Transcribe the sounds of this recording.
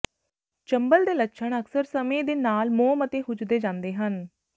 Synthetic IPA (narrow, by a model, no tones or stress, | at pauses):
t͡ʃəmbəld̪eːlətːʃʰəɳ̃əksəɾsəmẽːd̪eːnaːlmoːmət̪eːɦʊd͡ʒd̪eːd͡ʒãːnd̪eːɦən